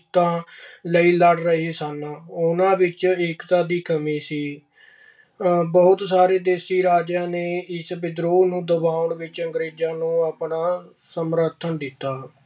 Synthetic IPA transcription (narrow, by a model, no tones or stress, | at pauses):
t̪ãːləiːləɽɾəɦeːsənʊnãːʋɪt͡ʃɪkt̪ãːd̪iːkʰəmiːsiː | bəːʊt̪saːɾeːd̪eːsiːɾaːd͡ʒãːneːɪsbɪd̪ɾoːnũːd̪əbaːʊɳʋɪt͡ʃəŋɡɾeːd͡ʒãːnũːaːpɳaː | səmɾəɾt̪ʰənd̪ɪt̪ːaː